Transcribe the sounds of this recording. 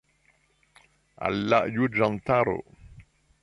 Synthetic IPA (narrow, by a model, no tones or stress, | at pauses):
ʔa̰lːaʔjud͡ʒant̪aɾo̰